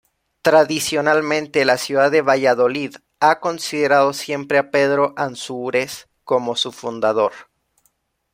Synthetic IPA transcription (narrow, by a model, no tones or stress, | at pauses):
t̪ɾaðisjo̞nalmẽ̞nt̪e̞lasjuðaðeβaʝaðo̞lið | ako̞nsiðe̞ɾað̞o̞sje̞mpɾe̞ape̞ðɾo̞ʔansuɾes | ko̞mo̞sufund̪aðo̞ɾ